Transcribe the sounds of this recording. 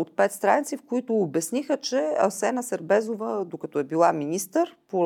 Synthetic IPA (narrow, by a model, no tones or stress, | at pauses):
ot̪̚pɛt̪st̪ɾanit̪sifkoit̪ʊːbɛsnixət͡ʃɛɐsɛnəsəɾbɛzovəd̪okɐt̪ɔɛbilˠaminist̪əɾpo